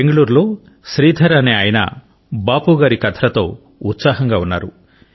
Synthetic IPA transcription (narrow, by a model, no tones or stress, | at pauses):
eŋɡɐɭuːɾlo̞ː | ʃɾiːd̪ʱɐɾɐneaːjɐnɐ̰ | baːpuɡaːɾikɐt̪ʰɐɾɐt̪o̞ː | ut̪saːɦɐŋɡaːunːa̰ːɾu